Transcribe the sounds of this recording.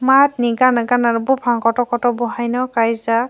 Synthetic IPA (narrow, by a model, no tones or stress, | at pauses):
matniɡanaɡanaɾubupʰaŋkɔtɔkɔtɔbɔɦajnɔkajza